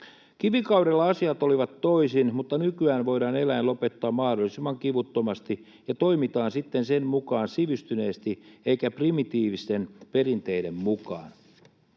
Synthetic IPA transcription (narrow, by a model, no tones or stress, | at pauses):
kiʋikɑwdelːɑɑsiɑt̪oliʋɑt̪ːo̞isinmut̪ːɑnykyæːnʋo̞idɑːne̞læjnlo̞pe̞t̪ːɑːmmɑhdolːˑisimːɑŋkiʋut̪ːo̞mɑst̪i | jɑt̪o̞ijmit̪ɑːnsit̪ːense̞nmukɑːnsiʋyst̪yne̞ːst̪ie̞ikæprimit̪iːʋist̪e̞npe̞rint̪e̞ide̞mmukɑ̰ːn